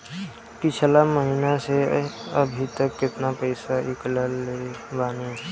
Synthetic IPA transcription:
kɪt͡ʃʰlaməɦinaseəbʱit̪əkːɪt̪napəɪsaʔɪkləlːebaːnid͡ʒ

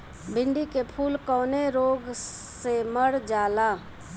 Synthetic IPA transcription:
bɪ̃ɳɖikepʰuːlkɔːneɾoːɡseməɽd͡ʒaːlaː

